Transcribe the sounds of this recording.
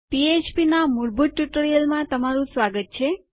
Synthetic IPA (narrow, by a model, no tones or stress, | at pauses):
piet͡ʃpinamuɾbʱut̪̚ːjuʈəɾijəlmãt̪əmaɾũsʋaɡət̪̚t͡ʃʰe